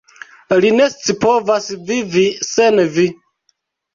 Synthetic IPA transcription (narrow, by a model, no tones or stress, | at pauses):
linest͡sipovasvivisenvi